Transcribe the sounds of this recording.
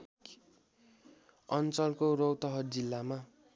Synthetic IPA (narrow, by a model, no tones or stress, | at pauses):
ʌnt͡sʌlkorowt̪ʌɦʌrd͡zilːama